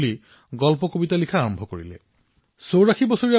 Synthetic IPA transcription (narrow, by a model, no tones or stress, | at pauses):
li | ɡɔlpɔkobitalikʰaːɹɔmbʱɔko̰ɹḭle | sowɹakʰibɔsoɹia